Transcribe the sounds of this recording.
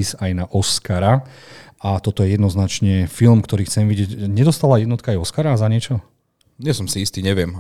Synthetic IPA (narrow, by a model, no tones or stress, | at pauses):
isajnaʔɔskaɾa | at̪ɔt̪ɔjɛjɛd̪nɔznat͡ʃɲɛfilmkt̪ɔɾiːxt͡sɛmʋiɟɛcɲɛd̪ɔst̪alajɛd̪nɔt̪kajɔskaɾaːzaɲɪɛt͡ʃɔ | ɲɛsɔmsiist̪iɲɛʋɪɛm